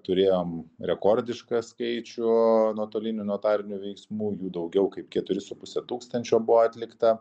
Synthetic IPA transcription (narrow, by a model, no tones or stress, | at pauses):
t̪ʊɾʲeːjoːmɾʲɛkoːɾʲd̪ʲɪʃkɑskɐɪt͡ʃʲʊnuːt̪oːlʲɪnʲʊnoːt̪ɑːɾʲɪnʲʊʋʲɛɪksmuːjuːd̪ɐʊɡʲɛʊkɐɪp̚kʲɛt̪ʊɾʲɪsʊpʊsʲɛt̪uːkst̪ɐnʲt͡ʃʲoːbʊʋoːɑt̪ʲlʲɪkt̪ɐ